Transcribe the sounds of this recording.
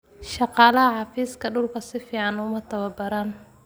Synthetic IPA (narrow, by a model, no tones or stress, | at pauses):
ʃɑqɑːlɐɦɐħɑfiːskʰɐɖʊlkʰɐsɪfiːʕɑnʊmɐt̪ʰɐwɐbɐɾan